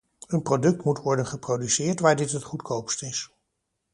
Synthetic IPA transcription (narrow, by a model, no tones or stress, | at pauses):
ənprodɵk̚tmutʋɔɹdənχəprowdysɪːɹtʋaːɹdɪtɦətχutkʰowpstɪs